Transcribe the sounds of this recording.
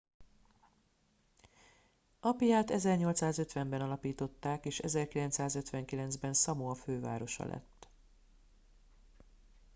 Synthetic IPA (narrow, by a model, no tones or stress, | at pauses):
ɒpijaːt̪ɛzɛrɲo̞lt̪saːzø̞t̪ʋɛmbɛnɒlɒpiːt̪o̞t̪ːaːkeːʃɛzɛrkilɛnt̪saːzø̞t̪ʋɛŋkilɛnzbɛnsɒmoɒføːva̰ːɾo̞ʃɒ̰lʔɛ̰t̪ː